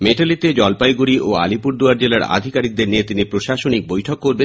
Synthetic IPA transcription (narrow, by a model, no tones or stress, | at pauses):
meʈalit̪ed͡ʑɔlpajɡuɾiʔoa̰lipuɾd̪oaɾd͡ʑelaɾa̰d̪ʱikaɾik̚d̪eɾniet̪inipɾoʃaʃonik̚bojʈʰokːoɾbe